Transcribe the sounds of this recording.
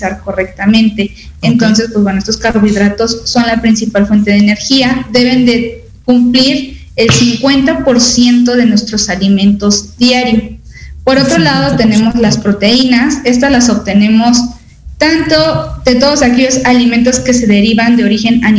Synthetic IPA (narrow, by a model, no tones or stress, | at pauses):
saɾko̞rek̚t̪amẽ̞nt̪e̞ː | nt̪o̞ns̬e̞spwe̞zwenoest̪o̞skaɾβiðɾat̪o̞sːo̞nlapɾinsipalfwe̞nt̪̬e̞ð̞eːne̞ɾxiaðe̞βe̞nd̪e̞ | kumpliɾ | e̞lsiŋkwe̞nt̪apo̞ɾsje̞nt̪o̞ðe̞nwe̞st̪ɾo̞salimẽ̞nt̪o̞zd̪jaɾjo̞ | po̞ɾo̞t̪ɾolað̞o̞t̪e̞ne̞mo̞zlaspɾo̞t̪e̞inase̞st̪azlaso̞βt̪e̞nẽ̞mo̞s | t̪ant̪o̞ðe̞t̪o̞ðo̞sake̞ʝo̞salimẽ̞nt̪o̞ske̞se̞ðe̞ɾiβand̪e̞o̞ɾixe̞nan